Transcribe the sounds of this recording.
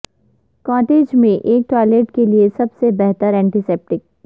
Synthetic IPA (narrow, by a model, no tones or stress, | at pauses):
kaːʈeːd͡ʒmẽʔeːk̚ʈwaːɪleːʈkeliesɐbsebɛɦt̪əɾɛ̃ːɳʈiseːp̚ʈɪk̚